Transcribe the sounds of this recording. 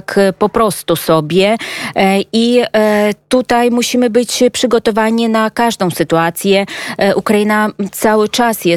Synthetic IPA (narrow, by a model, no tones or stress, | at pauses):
kpɔpɾɔst̪usɔbʲjɛ | ʔi | t̪ut̪ajmuɕimɘbɘt͡ɕpʂɘɡɔt̪ɔvaɲinakaʐd̪ɔ̃w̃sɘt̪uat̪sʲjɛʔukɾajinat̪sawɘt͡ʂasjɛ